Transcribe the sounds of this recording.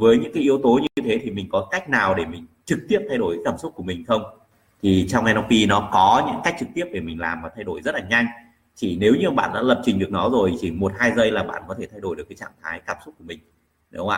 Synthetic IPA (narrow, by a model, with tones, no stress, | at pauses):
vəː˨˦jɲɨ̰˧˥ŋkaː˨˦jʔi˨˧əwt̪o˨˦ɲɨ˧ɲɨ˧t̪ʰe˨˦t̪ʰi˨˩mï˨˩ŋ̟kɔ˨˦ka˦˥jk̟̚naː˨˩wɗe˧˩mï˨˩ŋ̟t͡ɕɨ˨˩k̚t̪i˦˥əp̚t̪ʰa˧jɗo˧˩jkːa˨˦kaː˧˩msʊ˦˥k͡p̚ku˧˩əmï˨˩ŋ̟xə˧wŋ͡m | t̪ʰi˨˩t͡ɕɔ˧wŋ͡mʔɛ˧nɔ˧ppi˧nɔ˨˦kɔ˨˦ɲɨ̰˧˥ŋka˦˥k̚t͡ɕɨ˨˩k̚t̪i˦˥əp̚ɗe˧˩mï˨˩ŋ̟la̰ː˨˩mvaː˨˩t̪ʰa˧jɗo˧˩jzə˦˥t̚laː˨˩ɲa˧jŋ̟ | t͡ɕi˧˩ne˨˦wɲɨ˧˨ɓa̰ː˧˨nɗa̰ː˧˥lə˨˩p̚t͡ɕï̟˨˩ɗɨ˨˩ək̚nɔ˨˦zo˨˩jt͡ɕi˧˩mo˨˩t̚haː˧jzə˧jlaː˨˩ɓa̰ː˧˨nkɔ˨˦t̪ʰe˧˩t̪ʰa˧jɗo˧˩jɗəkːaː˨˦t͡ɕa̰ː˧˨mt̪ʰaː˨˦jkaː˧˩msu˦˥t̚ku˧˩mï˨˩ŋ̟ | ne˨˦wŋ͡ma̰ː˧˨